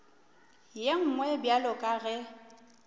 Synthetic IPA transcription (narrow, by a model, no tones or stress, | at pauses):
jeŋ̩ŋwɛbjalɔkʼaɣɛ